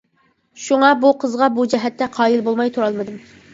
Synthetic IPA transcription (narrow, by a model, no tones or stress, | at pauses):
ʃuŋɑbuqʰəzʁɑbud͡ʒɛɦɛt̪ʰːɛqʰɑːjilbolˠmɑjt̪ʰuɾɑlˠmɨd̪ɨm